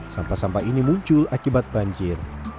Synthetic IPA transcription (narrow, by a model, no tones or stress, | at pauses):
sampasampainimuɲt͡ʃʊlakibat̪̚baɲd͡ʒir